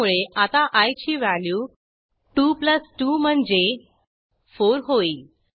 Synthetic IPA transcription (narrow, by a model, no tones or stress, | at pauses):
uɭeʔat̪aʔajt͡ɕiːʋæljuː | ʈupləsʈum̤əɳd͡ʑe | foɾɦoiː